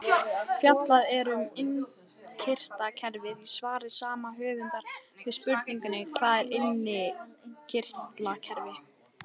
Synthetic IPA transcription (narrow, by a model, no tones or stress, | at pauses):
fjat̪laðɛɾʏmɪn | cʰɪr̥t̪lacʰɛɾvɪisvaːɾɪsaːmaɦœːvʏnt̪aɾ̥vɪspʏɾt̪niŋkʏnːɪkʰvaːðɛɾɪnːɪcʰɪr̥t̪lacʰɛɾvɪ